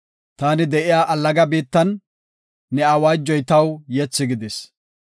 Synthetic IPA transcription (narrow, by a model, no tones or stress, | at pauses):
t̪aːnɪd̪ɛʔɪjaːʔɐlːɐɡɐbiːt̪ːɐnː | ɛɐwaːd͡ʒːɔjt̪ɐwjɛt͡sːɪɡɪd̪ɪs